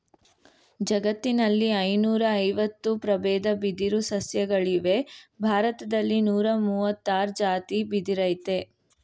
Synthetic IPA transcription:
d͡ʒɐɡɐt̪ːinɐlːiɐjnuːɾɐːjʋɐt̪ːupɾɐbɛːd̪ɐbid̪iɾusɐsjɐɡɐɭiʋe̞bʱaːɾɐt̪ɐd̪ɐlːinuːɾɐmuːʋɐt̪ːaːɾd͡ʒaːt̪ibid̪iɾɐjt̪e̞

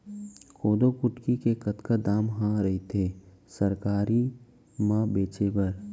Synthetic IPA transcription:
kʰoːd̪okʊʈkikekɐt̪kad̪aːmɦãɾɐɦet̪ʰeː | səɾkaːɾi | mãbeːt͡ʃebəɾ

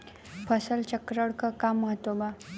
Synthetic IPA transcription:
pʰəsəlt͡ɕəkɾəɽkəkamːəɦət̪ʋoba

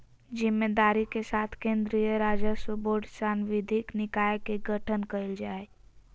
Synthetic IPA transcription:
d͡ʒɪmːed̪aːɾikesaːt̪ʰkẽːnd̪ɾijəɾaːd͡ʒəsəboːɖsaːnʋɪd̪ʱɪknɪkaːjekeɡəʈʰənkəɪld͡ʒaːe

